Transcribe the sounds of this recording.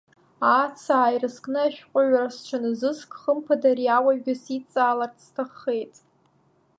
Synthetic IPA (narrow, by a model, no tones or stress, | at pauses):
at͡sʰaaːjrɨskʼnɨaʃᶣqʷʼʊɥʷᶣarast͡ʃʷʰanɨzɨskʰʼχəmpʰadariawaɡʲɪsit͡sʼaːlartʰstʰaχːe̞jtʼ